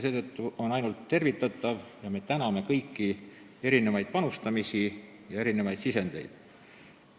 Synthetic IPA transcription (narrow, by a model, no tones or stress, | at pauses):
se̞ːt̪ɤ̞t̪ˑːuʔo̞nɑjnult̪ːe̞rvit̪ːˑɑt̪ːˑɑvjɑme̞t̪ænɑme̞kɤjkːi | e̞ɾine̞vɑjd̪̚pɑnust̪ɑmisi | jɑe̞ɾine̞vɑjd̪sise̞nd̪̥e̞̰jd̪̥